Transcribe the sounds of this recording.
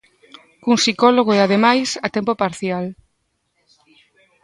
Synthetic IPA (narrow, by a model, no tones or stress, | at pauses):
kuŋsikɔloɣ̞oeaðemajsat̪empopaɾθjal